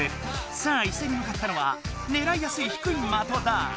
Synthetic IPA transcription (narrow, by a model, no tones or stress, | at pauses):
e | sãaise̞ɲ̟imɯ̟kat̪ːano̞βa̰ | ne̞ɾaijasɨiçi̥kɯ̟inomat̪od̪a